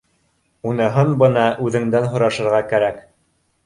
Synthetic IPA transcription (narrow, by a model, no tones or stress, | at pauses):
unɤ̆ɦɤnbɤ̆nɑʔʉðɘ̆ŋd̪ænɦŏɾɑʃɤ̆ɾʁɑkæɾæk